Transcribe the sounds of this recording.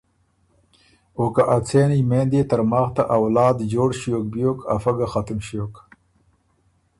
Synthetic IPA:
okaʔat͡sʰeːnijmend̪et̪aɾmaːxt̪aʔawlɑːd̪d͡ʑoːɽɕjok̚bjoka̰faɡaxat̪mɕjoːk

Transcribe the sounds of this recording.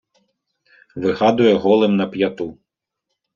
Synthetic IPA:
ʋɪɣɑd̪ʊjɛɦɔlˠɪmnɐpjɐt̪u

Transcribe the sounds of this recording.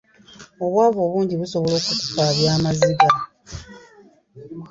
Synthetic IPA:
o̞βwaːβo̞ːβuːɲɟiβuso̞βo̞lo̞ːkuku̥paːβjaːmaziɡa

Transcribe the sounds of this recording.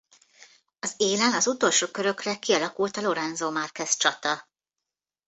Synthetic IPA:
ɒzeːlɛnɒzut̪o̞lʃoːkø̞ɾø̞krɛkiɒlɒkult̪ɒlo̞ɾɛnzoːmɒrkɛst͡ʃɒt̪ɒ

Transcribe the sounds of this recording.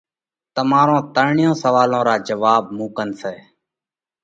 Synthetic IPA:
t̪əmaːɾõːt̪əɾɳɪjõːsəʋaːlõːɾaːd͡ʒəʋaːbmũːkənsɛː

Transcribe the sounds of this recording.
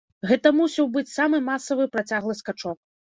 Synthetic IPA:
ɣɛt̪ɐmusʲɐwbɨt͡sʲsamɨmasɐvɨpɾat͡sʲaɣlˠɨskat͡ʂɔk̚

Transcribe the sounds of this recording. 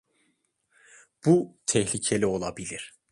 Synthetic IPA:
b̥ut̪ʰɛhlʲicʰe̞lʲio̞lˠabilʲiɾ̥

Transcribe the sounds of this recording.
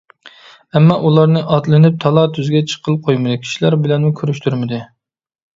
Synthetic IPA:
ɛmːɑʔulˠɑɾnɨʔɑt̪lˠɨnɨp̚t̪ʰɑlˠɑt̪ʰyzɡʲɛt͡ʃʰə̥qʰəlˠqʰojmɨd̪ɨkʲʰi̥ʃilæɾbɪlɛnmukʲʰøɾyʃt̪ʰyɾmɪd̪ɨ

